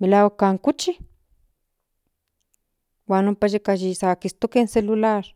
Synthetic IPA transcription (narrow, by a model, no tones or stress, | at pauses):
milaokaŋkut͡ʃi | wanumpaʃikaʒisakist̪okenselulaɾ